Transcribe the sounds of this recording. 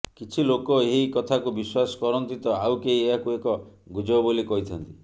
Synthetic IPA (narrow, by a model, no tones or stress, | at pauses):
kit͡ʃʰilokɔeɦikɔt̪ʰakubiswasɔ̥kɔɾɔnt̪it̪ɔawkeieakuekɔ | ɡud͡ʒɔbolikɔɦit̪ʰɔnt̪i